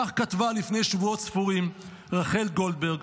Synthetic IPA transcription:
aχkat̪valifne̞jʃvuotsfuʁim | ʁaχe̞lɡo̞ld̪̚be̞ʁɡ

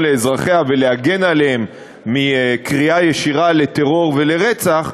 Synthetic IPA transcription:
leːzʁaχeaveleaɡe̞naleemː | ikʁiajeʃiʁale̞t̪eʁo̞ʁve̞le̞ʁet͡saχ

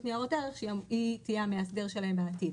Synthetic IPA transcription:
tniaʁotaʁeχʃejamitijameasdeʁʃelahembeːtid

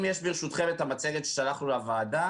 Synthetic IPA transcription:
mjɛʃbiʁʃut̪χemet̪amat͡seɡet̪ʃeʃalaχnulavaːda

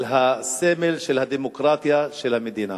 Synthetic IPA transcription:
lɦasemelʃelhad̪emokɾaːt̪jaʃelhamed̪iːna̰

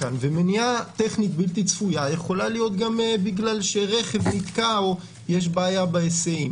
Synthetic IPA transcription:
anvemeniat̪eχnit̪bilt̪it͡sfujajeχo̞lalijo̞t̪ɡamebiɡlalʃeʁeχe̞vnit̪kao | jeʃ̬baːjabaeseim

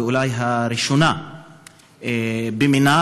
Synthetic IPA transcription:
ulajɦaɾiʃona | bemina

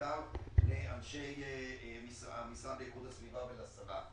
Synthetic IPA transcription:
avleanʃejemisamisallekud̪hasvivabelasaʁa

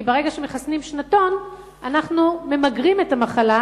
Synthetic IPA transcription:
beʁe̞ɡaʃemeχasnimʃnato̞n | anaχnume̞maɡʁimetamaχala

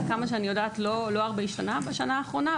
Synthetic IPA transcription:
kamaʃeanijo̞daːtlolo̞aʁbeiʃtanabaʃanaːχʁo̞na

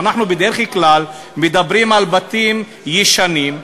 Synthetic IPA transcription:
naħnubed̪eɾeχklal | med̪abɾimalbat̪im | jiʃanim

